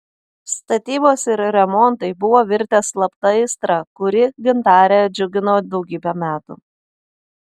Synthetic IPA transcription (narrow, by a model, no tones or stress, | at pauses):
st̪ɐt̪ʲiːboːsɪɾɾʲɛmɔnˑt̪ɐɪbʊʋoːʋʲɪɾʲt̪ʲeːslˠɐpt̪ɐɪst̪ɾɐkʊɾʲɪɡʲɪnt̪ɑːɾʲɛd͡ʒʲʊɡʲɪnoːd̪ɒʊɡʲiːbʲɛmʲæːt̪ṵ